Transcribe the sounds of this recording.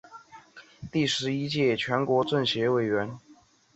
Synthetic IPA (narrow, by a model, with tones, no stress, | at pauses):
t̪i˥˩ʂɻ̩˧˥i˥t͡ɕjɛ˥˩t͡ɕʰɥɛ˧˥nkwɔ˧˥ʈ͡ʂə˥˩nɕjɛ˧˥we˨˩ɪɥɛ˧˥n